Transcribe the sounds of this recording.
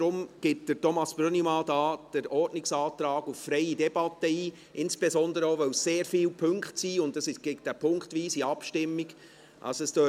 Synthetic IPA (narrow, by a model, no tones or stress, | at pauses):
dɾʊmɡ̥ɪt̚d̥əɾtɔmɑsb̥ɾønimɑdɑːd̥əɾɔrdnɪksɑːtɾɑːɡuffɾɛɪidɛb̥ɑtːəiː | ʔɪnsb̥esɔndəɾəoːʋœwsseːɾfiːlpʰɵŋkχtsiːʊndɑsɪʃɡ̥ɛɡd̥æpʰʊŋktʋiːsiɑpʃtɪmːiɡ | ʔɑ̰lsoɛstøː